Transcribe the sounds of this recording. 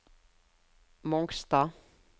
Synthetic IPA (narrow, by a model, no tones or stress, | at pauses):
mɔŋkst̪a